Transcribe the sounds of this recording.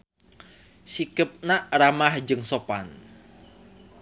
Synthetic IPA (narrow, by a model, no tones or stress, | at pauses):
sikəp̚naramahd͡ʒɨŋsopan